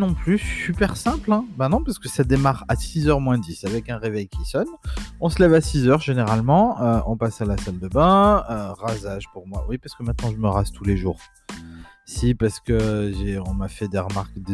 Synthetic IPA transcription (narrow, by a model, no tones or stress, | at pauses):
nɔ̃plyssypɛʁsɛ̃plɛ̃bɛ̃nɔ̃paʁsə̥kəsad̪emaʁasizœʁmwɛ̃d̪isavɛkɛ̃ʁevɛjkʲisɔnɔ̃səlɛvasizœʁʒeneʁalmɑ̃øɔ̃pasalasald̪əbɛ̃øʁazaʒpuʁmwa̰wipaʁsə̥kəmɛ̃t̪nɑ̃ʒəməʁazt̪ʰuleʒuːʁ | sipaʁsə̥kəʒeɔ̃mafɛd̪eʁəmaʁkd̪ə